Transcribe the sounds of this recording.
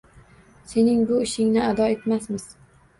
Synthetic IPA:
se̞nɪŋbʊɪʃɪŋnɪad̪ɒe̞t̪masmɪz̥

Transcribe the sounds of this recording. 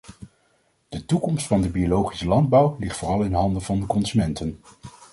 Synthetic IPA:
d̥ətukɔmstfɑndəbiolowχi̥səlɑnd̚bʌwlɪχtfʊːrɑlˠɪnɦɑndəvɑndəkɔnzymɛntən

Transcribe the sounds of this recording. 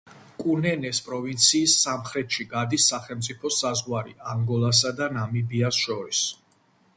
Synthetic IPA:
kʼunɛnɛspʼɾɔvint̪sʰiːsːamχɾɛt̪ʃiɡad̪isːaχɛlˠmt̪sʼipʰɔsazʁwaɾḭʔaŋɡɔlˠas̬ad̪anamibiasʃɔɾis

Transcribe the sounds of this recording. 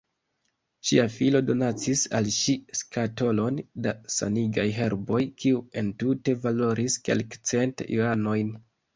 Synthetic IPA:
ʃiafilo̞do̞nat͡sisa̰lʃiskato̞lo̞ndasa̰niɡajɦe̞ɾbo̞jkʰiue̞ntute̞valo̞ɾʔiske̞̰lkt͡se̞ntioano̞jn

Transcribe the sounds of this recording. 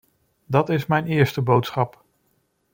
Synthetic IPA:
dɑtɪsmɛjnɪːɹstəbowtsχɑp

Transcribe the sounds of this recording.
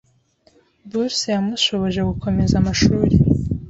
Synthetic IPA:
busijamuʃo̞βo̞ʒe̞ɡukʰo̞me̞zamaʃuːɾi

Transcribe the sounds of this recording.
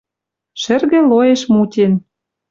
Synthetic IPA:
ʃɘ̆rɣĕlojeʃmutʲen

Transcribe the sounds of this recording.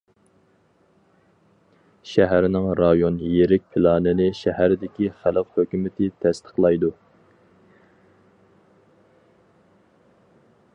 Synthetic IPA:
ʃæɦæɾɪnɪŋɾɑjonjeɾɪk̚ʲpʰɪlˠɑːnɪnɪʃæɦæɾɪd̪ɪkʲiχælɨqhøkʲymɪt̪ʰɪt̪ʰɛst̪ʰə̥χlˠɑjd̪u

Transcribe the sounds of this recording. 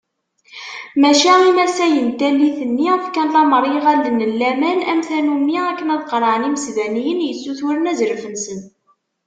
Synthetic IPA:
mæʃæimæsæjənt̪ælːiθənːiəfkænlɑməɾˤːeʁæld̪nəlːæmænæmθænumːiækːənæðqɾˤəʕəniməsðænijənjət͡sːuθuɾənæzɾfənsən

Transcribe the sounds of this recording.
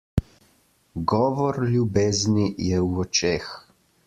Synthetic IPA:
ɡɔːʋɔɾlʲjubeːznijɛwɔt͡ʃex

